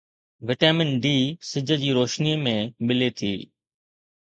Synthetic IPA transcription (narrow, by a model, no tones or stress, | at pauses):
ʋɪʈaːmɪnɖiːsɪd͡ʑʱə̆d͡ʑiːɾoːʃniːmẽmɪlet̪ʰiː